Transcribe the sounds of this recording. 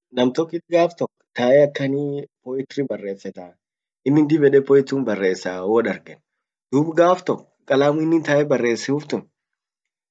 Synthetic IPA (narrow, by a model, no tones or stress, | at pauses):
nɐmt̪ɔkːɪt̪ɡaːft̪ɔkːt̪aːʔɛɐkːɐnipɔːjɪt̪ɾɪbɐrːe̞ːsːɛt̪a | ɪnːɪnd̪ɪbɛᶑɛpɔːjɪt̪ːuːnbɐrːe̞ːsːaːwɔᶑɐɾɡɛn | d̪̥uːbɡaːft̪ɔkː | kʼɐlaːmʊɪnːɪnt̪aːɛbɐrːe̞ːsːɪʊft̪ʊn